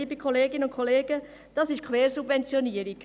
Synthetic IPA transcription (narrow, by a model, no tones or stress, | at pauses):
ibikʰχoleːɡɪnəʊnkʰχoleːɡ̥ə | d̥ɑsɪʃkʰʋeːɾsubvɛnt͡sjɔniəɾiɡ̥